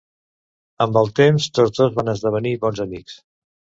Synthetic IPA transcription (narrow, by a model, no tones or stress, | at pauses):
əmbəlˠt̪emst̪od͡zdðozβanəzðəβ̞əniβɔnzəmiks